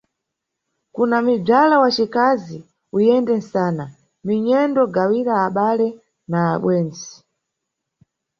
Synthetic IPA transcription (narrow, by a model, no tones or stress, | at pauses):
kunamib͡ʐalawat͡ʃikazi | ujɛndɛnsaːna | miɲɛndɔɡawiɾaːɓalɛ | naːɓwɛːnd͡zi̥